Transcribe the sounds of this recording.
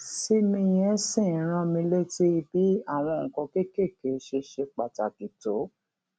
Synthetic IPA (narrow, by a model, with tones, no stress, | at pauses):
si˦mĩ˧j̃ɛ̃˧˦sĩ˦˨ɾ̃ã˧mĩ˧le˦ti˦i˧bi˨˦a˦˨ɾ̃ã˧˨ŋ̩˨kɔ̃˧ke˦˨ke˦˨ke˨˦ʃe˧ʃe˧k͡pa˨ta˨ki˨to˨˦